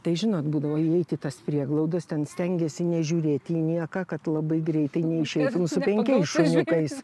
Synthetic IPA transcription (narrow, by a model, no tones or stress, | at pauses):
t̪ɐɪʒʲɪnoːt̪buːd̪ɐʋoːiɛɪt̪ʲɪt̪ɐspʲɾʲiɛɡlˠɐʊd̪ɐst̪ʲɛnsʲt̪ʲɛŋʲɡʲɛsʲɪnʲɛʒʲuːɾʲeːt̪ʲjiːnʲiɛkɐkɐt̪lˠɐbɐɪɡɾʲɛɪt̪ɐɪnʲɛɪʃʲɛɪt̪ʊmsʊpʲɛŋʲkʲɛɪsʃʊnʲʊkɐɪs